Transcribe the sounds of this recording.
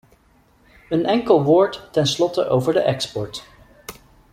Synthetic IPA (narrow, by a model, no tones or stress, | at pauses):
ənɛŋkəlˠʋʊːɹtːɛnslɔtə̰ʔowvəɹdəʔɛkspɔɹt